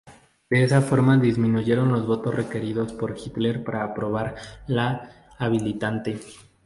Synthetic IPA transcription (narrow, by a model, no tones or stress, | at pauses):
d̪̥e̞esafo̞ɾmaðizmĩnuʝe̞ɾo̞nlo̞zβo̞t̪o̞sre̞keɾiðo̞spo̞ɾxit̪le̞ɾpaɾaːpɾo̞β̞aɾlaː | βilit̪ant̪e̞